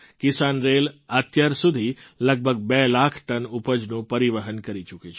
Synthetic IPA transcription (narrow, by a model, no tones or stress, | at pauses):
kɪsanɾelat̪jəɾsud̪ʱiləɡ̚bʱəɡ̚bɛlakʰʈənupəd͡ʒnũpəɾiʋəɦənkəɾit͡ʃuket͡ʃʰ